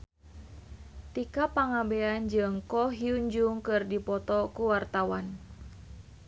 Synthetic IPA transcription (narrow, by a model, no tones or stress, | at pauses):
t̪ikapaŋabeand͡ʒɨŋkɔɦiuɲd͡ʒuŋkɨrdipɔt̪ɔkuwart̪awan